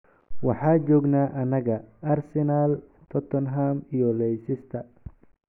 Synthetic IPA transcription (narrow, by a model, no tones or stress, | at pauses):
wɑħɑːd͡ʒɔːɡnaːʔɐnɐɣɐɐrsɛnaːlt̪ʰɔt̪ʰɔnɦaːmijɔlɛjsɪst̪ʰɐ